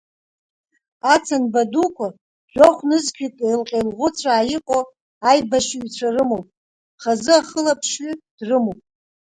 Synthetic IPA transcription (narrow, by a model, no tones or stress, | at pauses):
at͡sʰanbadukʷʰa | ʒʷᶣoχʷnɨzkʲʷʰikʼajlqʲʼejlʁʷʊt͡sʷʰaːjɪqʼo | ajbaʃiɥit͡ɕʷʰarɨmowpʼ | χazɨaχəlapʰʃɥid̥rɨmowpʼ